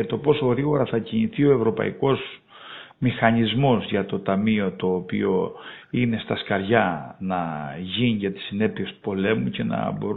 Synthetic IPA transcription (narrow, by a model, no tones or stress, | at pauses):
ɐt̪o̞po̞so̞ɣɾiɣo̞ɾɐθɐciniθio̞e̞vɾo̞pɐ̰ḭko̞z | mixɐɲizmo̞zʝɐt̪o̞t̪ɐmio̞t̪o̞ːpḭo̞ine̞st̪ɐskɐɾʝɐnɐʝinʝɐt̪i̥sine̞piest̪u̥po̞le̞muce̞nɐ̰bo̞ɾ